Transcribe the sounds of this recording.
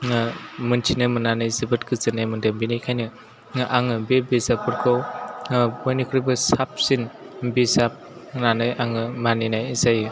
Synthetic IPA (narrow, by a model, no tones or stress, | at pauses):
ŋamɯntʰinɯmɯnanɯjzɯbɯt̚kɯzɯnajmɯndambinajkʰajnɯ | ŋaʔaŋɯbebizap̚ːɯɾkʰɔwŋbɔjnikʰɾibɯsap̚sinbisap̚nanɯjaŋɯmaninajzajɯ